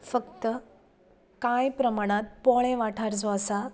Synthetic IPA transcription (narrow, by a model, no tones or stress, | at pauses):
fəkt̪ə | kajpɾəmaɽ̃ãt̪̚pɔɭẽʋaʈʰaɾd͡zɔəsa